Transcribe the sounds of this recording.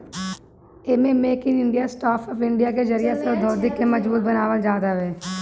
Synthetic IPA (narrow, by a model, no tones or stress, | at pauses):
emẽmeːkɪ̃ŋɪ̃ɳɖijasʈaːfʰɔːfɪ̃ɳɖijaked͡ʒɐɾijaseod̪ʱoːd̪ɪkːemɐd͡ʒbuːt̪̚bɐnaːʋəld͡ʒaːd̪aʋɛː